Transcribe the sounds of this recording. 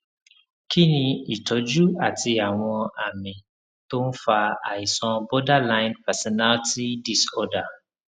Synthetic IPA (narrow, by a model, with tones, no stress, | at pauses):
kʰi˦nĩ˧i˨tɔ˨˦d͡ʒu˦a˨ti˧a˨w̃ɔ̃˧a˨mĩ˨ | to˦n̩˦fa˧a̰˨i˨sɔ̃˧bɔ˦da˦lã˦jnpɛ˨sɔ˨na˦lti˦di˦sɔ˦da˨